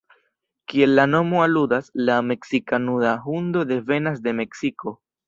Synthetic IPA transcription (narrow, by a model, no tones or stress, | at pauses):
kie̞lːano̞moaludaslame̞ksikanudaɦund̪o̞d̪e̞ve̞nasd̪e̞me̞ksikʰo̞